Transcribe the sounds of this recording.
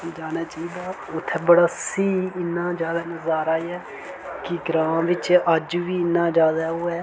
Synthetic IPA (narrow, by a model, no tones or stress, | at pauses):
d͡ʒaːnaːt͡ʃaːiːd̪aː | ʊt̪ʰːɛːbəɽaːsiːɪnːãːd͡ʒaːd̪aːnəzaːɾaːiɛː | kɪɡɾãːmʋɪt͡ʃəd͡ʒʋiːɪnːãːd͡ʒaːd̪aːɦoːɛː